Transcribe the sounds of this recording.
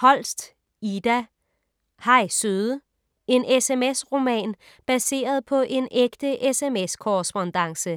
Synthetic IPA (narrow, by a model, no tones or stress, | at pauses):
hɒ̽l̰sd̥ | id̥æ | hɑ̈ɪsøðˠə | e̝nʔesemesʁo̝mɛ̰ːn | b̥æse̝̰ːɐð̞̩ˠpʰɒ̽ʔe̝nʔeɡ̥d̥əʔesemeskʰoʁɛsb̥ond̥ɑ̈ŋsə